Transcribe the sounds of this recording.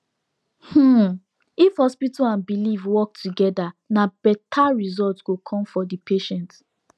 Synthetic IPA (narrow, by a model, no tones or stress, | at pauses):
hm̩ | ifhɔspitalãnbilivwɔk̚tuɡɛdanab̥ɛtʰaɹizɔltsɡ̥okʰɔ̃mfɔdipʰeʃɛ̃nt